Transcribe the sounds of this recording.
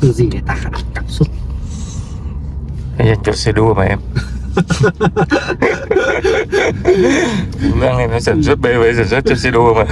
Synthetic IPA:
t̪ɨ˨˩zi˨˩ne˨˩t̪aː˧xa˧˦˧t̪a˨˧˩p̚su˦˥t̚ | ka˨˦jza˧˩jŋt͡ɕɔ˧se˧ɗu˧ə˧ma˨˩ʔɛ˧m | u˨˦ɣa˧ŋɛ˨˧˩nɔ˨˦sa˧˩nsu˦˥t̚ɓe˧˦ve˨˦saː˧˩nsə˦˥t̚t͡ɕɔ˧se˧ɗu˧ə˧ma˨˩

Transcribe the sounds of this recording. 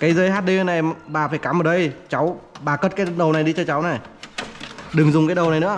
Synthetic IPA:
kaː˨˦jzəː˧jhaː˦˥t̚ɗi˧hə˧na˨˩ʔɛ˧mɓaː˨˩faː˧˩jkaː˨˦mʔəː˨˩ɗə˧jt͡ɕa˨˦wɓaː˨˩kə˦˥t̚kaː˨˦jɗə˨˩wna˨˩jɗi˧t͡ɕɔ˧t͡ɕa˨˦wna˨˩j | ɗɨ˨˩ŋzʊ˨˩ŋ͡mkaː˨˦jɗə˨˩wna˨˩jnɨ̰˧˥ə

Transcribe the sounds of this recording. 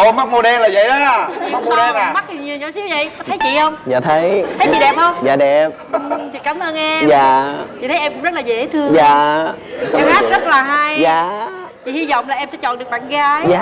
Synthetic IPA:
ʔo˧ma˦˥k̚mo˧˩ɗɛ˧nlaː˨˩zə̰˧˨jɗɔ˨˦a˧˩t͡ɕḭ˧˨˦ʊ˨˦t̪ːma˦˥t̚i˨˩ɲi˨˩ɲɔ˧˨˦si˨˦wvə̰˧˨jkɔ˨˦t̪ʰə˨˦jt͡ɕḭ˧˨hə˧wŋ͡mza̰ː˨˩t̪ʰə˨˦j̪ʰə˨˦jɓḭ˧˨˩ɗɛ˨˩p̚hə˧wŋ͡mza̰ː˧˩ɗɛ˨˩p̚ʔɨ˨˩t͡ɕḭ˧˨kaː˨˦mʔəː˧nʔɛ˧mzaː˧˨t͡ɕḭ˧˨t̪ʰjʔɛ˧mkʊ̰˧˥ŋ͡mzə˦˥t̚laː˨˩ḛ˨˧˨t̪ʰɨ˧əzaː˧˨˩ | ɛ˧mhaː˦˥t̚zə˦˥t̚laː˨˩ɦa˧jzaː˧˨ | t͡ɕḭ˧˨hi˧zɔ̰˧˨wŋ͡mlaː˨˩ʔɛ˧msɛ̰˧˥t͡ɕɔ̰˧˨nɗɨ˨˩k̚ɓa̰ː˧˨nɣaː˨˦jaː˧˨

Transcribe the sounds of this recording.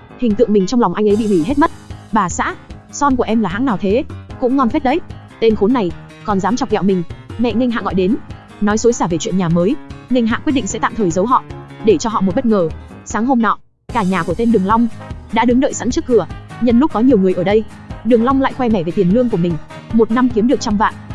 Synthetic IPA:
hï˨˩ŋ̟t̪ɨ̰˧˨ŋmï˨˩ŋ̟t͡ɕɔ˧wŋ͡mlɔ˨˩wŋ͡mʔa˧jŋʔə˨˦jɓḭ˧˨wi˧˩ɦe˦˥t̚mə˦˥t̚ɓaː˨˩sa̰ː˧˥ | sɔ˧nku˧˩əʔɛ˧mlaː˨˩ɦa̰˧˥ŋnaː˨˩t̪ʰe˨˦kʊ̰˧˥ŋ͡mŋɔ˧nfɛ˦˥t̚ɗə˨˦j | t̪e˧nxo˨˦nːa˨˩j | kɔ˨˩nzaː˨˦mt͡ɕɔ˨˩k͡p̚ɣɛ̰˧˨wmï˨˩ŋ̟mɛ̰˧˨ŋi˧ŋ̟ɦa̰˧˨ɣɔ̰˧˨jɗe˨˦n | nɔ˨˦jso˨˦jsaː˧˩ve˨˩t͡ɕwḭ˧˨ənɲaː˨˩məː˨˦jŋi˧jŋ̟ɦa̰ː˧˨ki˦˥t̚ɗḭ˧˨ŋsɛ̰˧˥t̪a̰ː˧˨mt̪ʰəː˨˩jzə˨˦wɦɔ̰˧˨ɗe˧˩t͡ɕɔ˧ɦɔ̰˧˨o˨˩t̚ɓə˦˥t̚ŋəː˧˩ | saː˨˦ŋɦo˧mnɔ˧˨ | kaː˧˩ɲaː˨˩ku˧˩t̪e˧nɗɨ˨˩əŋla˧wŋ͡mɗa̰ː˧˥ɗɨ˨˦ŋɗə̰˧˨jsa̰˧˥nt͡ɕɨ˦˥k̚kɨ˧˩əɲə˨˩nlʊ˦˥p̚kːɔ˨˦ɲi˨˩əwŋɨ˨˩əjʔəː˧˩ɗə˧j | ɗɨ˨˩əŋla˧wŋ͡mla̰ː˧˨xwɛ˧mɛ˧˩ve˨˩t̪i˨˩ənlɨ˧əŋku˧˩əmi˨˩ŋ̟ | mo˨˩t̚na˧mki˨˦əmɗɨ˨˩ək̚t͡ɕa˧ŋ͡mva̰ː˧˨n

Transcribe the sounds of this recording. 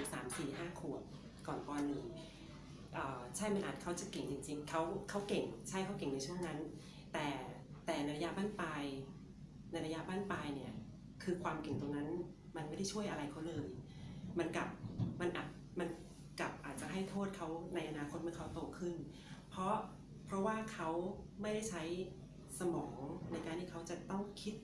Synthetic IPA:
ssa̰ː˩˦msiː˨˩ɦaː˥˩kʰu˨˩ət̪̚ | kɔː˨˩nʔɔː˧nːɯ˨˩ | ʔɤː˨˩t͡ɕʰa˥˩jma˧nʔaː˨˩t̪̚kʰa˦˥wt͡ɕa˨˩ke˨˩ŋt͡ɕi˧ŋt͡ɕi˧ŋkʰa˦˥wkʰa˦˥wke˨˩ŋt͡ɕʰa˦˥˩jkʰa˦˥wke˨˩ŋna˧jt͡ɕʰu˥˩ə˩ŋna˦˥n | t̪ɛː˨˩ | t̪ɛː˨˩na˧jɾa˧ja˦˧˥baː˥˩npaː˧j | na˧jɾa˧ja˦˥baː˥˩npaː˧jni˦˥˩ɐ | kʰɯː˧kʰwaː˧mke˨˩ŋt̪o˧ŋna˦˥n | ma˧nm˥˩jda˥˩jt͡ɕʰu˥˩əjʔa˧ɾa˧jkʰa˦˥wlɤː˧j | ma˧nka˨˩p̚ma˧nʔaː˨˩t̪̚ | ma˧n | kla˨˩p̚ʔaː˨˩t̪̚t͡ɕa˨˩ɦa˥˩jt̪ʰoː˥˩t̪̚kʰa˦˥wna˧jʔa˧naː˧kʰo˦˥t̪̚mɯː˥˨˩kʰwt̪oː˧˩kʰɯ˥˩n | pʰɾɔ˦˥ | pʰɾɔ˦˥waː˥˩kʰa˦˥wma˥˩jda˥˩jt͡ɕʰa˦˥j | sa˧mɔː˩˦ŋna˧jkaː˧nt̪ʰiː˥˩kʰwt͡ɕa˨˩t̪ɔ˥˩ŋkʰi˦˥t̪̚

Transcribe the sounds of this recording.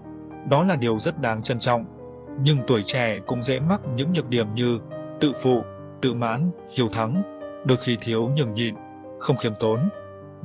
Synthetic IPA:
ɗɔ˨˦laː˨˩ɗi˨˩əwzə˦˥t̚ɗaː˨˦ŋt͡ɕə˧nt͡ɕɔ̰˧˨wŋ͡m | ɲɨ˧ŋt̪u˧˩əjt͡ɕɛ˧˩kʊ̰˧˥ŋ͡mzɛ̰˧˥ma˦˥t̚ɲɨ̰˧˥ŋɲɨ˨˩t̚ɗi˧˩əmɲɨ˧t̪ɨ̰˧˨fṵ˧˨ | t̪ɨ̰˧˨ma̰ː˧˥n | hi˧˩əwt̪ʰa˨˦ŋɗɨ˨˩ək̚xi˧t̪ʰi˨˦əwɲɨ˨˧˩ŋɲḭ˧˨n | xə˧wŋ͡mxi˨˦mt̪o˨˦n

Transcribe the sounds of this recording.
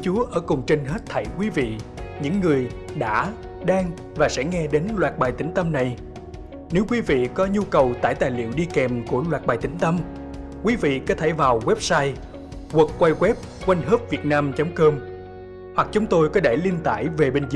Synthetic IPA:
t͡ɕu˨˦əʔəː˧˩kʊ˨˩ŋ͡mt͡ɕe˧nɦe˦˥t̚t̪ʰə˧˩jkwi˨˦vḭ˧˨ɲɨ̰˧˥ŋːɨ˨˩əjɗa̰ː˧˥ | ɗaː˧ŋ | vaː˨˩sɛ̰˧˥ŋɛ˧ɗe˨˦nlwaː˨˩t̚ɓaː˨˩jt̪ï˧˩˦ŋ̟t̪ə˧mna˨˩j | ne˨˦wkwi˨˦vḭ˧˨kɔ˨˦ɲu˧kə˨˩wt̪a̰ː˧˩jt̪aː˨˩jlḭ˧˨əwɗi˧kɛ˨˩mku˧˩əlwaː˨˩t̚ɓaː˨˩jt̪ï˨˦ŋ̟t̪ə˧m | kwi˨˦vḭ˧˨kɔ˨˦t̪ʰə˧˩vaː˨˩wɣwɛ˦˥p̚saː˧j | ɣwə˨˩t̚kwaː˧jɣwɛ˦˥p̚ | kwa˧jŋ̟ɦəː˦˥p̚vi˨˩ət̚naː˧mt͡ɕɔ˨˦wŋ͡mkəː˧m | hwa˨˩k̚t͡ɕʊ˨˦ŋ͡mt̪o˧jkɔ˨˦ɗe˧˩li˧ənt̪a̰ː˧˩jve˨˩ɓe˧nz

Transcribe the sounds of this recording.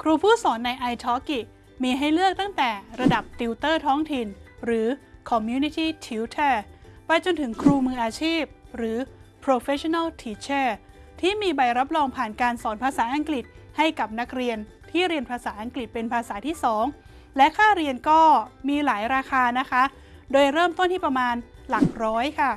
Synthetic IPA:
kʰɾuː˧pʰuː˥˩sɔː˩˦nːa˧jʔa˧jt̪ʰɔː˦˥ki˨˩ | miː˧ɦa˥˩jlɯ˥˩ək̚t̪a˥˩ŋt̪ɛː˨˩ɾa˧da˨˩p̚t̪i˧wt̪ɤː˥˩t̪ʰɔː˦˥ŋt̪ʰi˧nɾɯː˩˦kʰɔ˧mjuː˧˥ni˦˥t̪ʰiː˥˩t̪ʰi˧˥wt̪ʰɛː˥˩pa˧jt͡ɕo˧nt̪ʰɯ˩˦ŋkʰɾuː˧mɯː˧ʔaː˧t͡ɕʰiː˥˩p̚ɾɯː˩˦pʰɾo˧fe˦˥t͡ɕʰɔ˧na˥˩lt̪ʰiː˧˩t͡ɕʰeː˥˩ | t̪ʰiː˥˩miː˧ba˧jɾa˦˥p̚ɾɔː˧ŋpʰaː˨˩nkaː˧nsɔː˩˦npʰaː˧saː˩˦ʔa˧ŋkli˨˩t̪̚ha˥˩jka˨˩p̚na˦˥k̚ɾi˧ən | t̪ʰiː˥˩ɾi˧ənpʰaː˧saː˩˦ʔa˧ŋkli˨˩t̪̚pe˧npʰaː˧saː˩˦t̪ʰiː˥˩sɔː˩˦ŋ | lɛ˦˥kʰaː˥˩ɾi˧ənkɔː˥˩miː˧laː˩˦jɾaː˧kʰaː˧na˦˥kʰa˦˥ʔ | doː˧jɾɤː˥˩mt̪o˥˩nt̪ʰiː˥˩pɾa˧maː˧nla˨˩ŋɾɔː˦˥jkʰa˥˩

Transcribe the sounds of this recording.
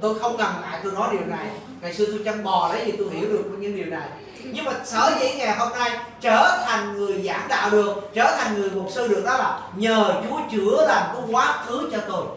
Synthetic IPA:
t̪o˧jxə˧wŋ͡mka˨˩mla̰ː˧˨jt̪ɨ˧nɔ˨˦ɗi˨˩əwna˨˩j | ŋa˨˩jsɨ˧ət̪u˧jt͡ɕa˧mɓɔ˨˩ɗə˨˦jt̪ʰi˨˩t̪o˧jɦḭ˧˩əwɗɨ˨˩ək̚ːɲɨ̰˧˥ŋɗi˨˩əwna˨˩j | ɲɨ˧ŋmaː˨˩səː˧˩zə̰˨˦ŋɛ˨˩ɦo˧mna˧jt͡ɕəː˧˩t̪ʰa˨˩jŋ̟ŋɨ˨˩əjzaː˧˩ŋɗa̰ː˧˨lɨ˨˩əŋt͡ɕəː˧˩t̪ʰa˨˩jŋ̟ŋɨ˨˩əjmo˨˩t̚sɨː˧ɗɨ̰˨˩ək̚ɗɔ˨˦laː˨˩ | ɲəː˨˩t͡ɕu˨˦t͡ɕɨ˧˩˦əlaː˨˩mk̪kwaː˨˦kʰɨ˨˦t͡ɕɔ˧kɨ˨˩j

